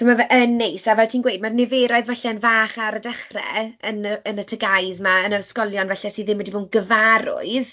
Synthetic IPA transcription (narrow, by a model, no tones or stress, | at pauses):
somavʔənːejsavɛltʰiːnɡwejd̚marnɪveːɾɔɨðvɛɬɛənvaːχaɾədaχrɛ̰ənəənətʰəɡajzmaənərskɔlˠjɔnvaɬɛsiðɪmwədiboːnɡəvaɾʊ̰ɨð